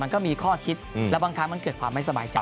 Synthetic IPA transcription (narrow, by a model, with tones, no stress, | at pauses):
ma˧nkɔː˥˩miː˧kʰɔː˥˩kʰi˦˥t̪̚ːllɛ˦˥wbaː˧ŋkʰa˦˥ma˧nkɤː˨˩t̪̚kʰwaː˧mːa˥˩sa˧ba̰ː˨jt͡ɕa̰˨